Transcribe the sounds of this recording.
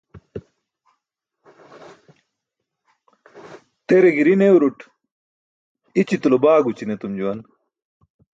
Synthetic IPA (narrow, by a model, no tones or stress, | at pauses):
t̪eɾeɡiɾinewɾuʈ | it͡ɕit̪ulobaːɡut͡ɕinet̪umd͡ʑuwɐn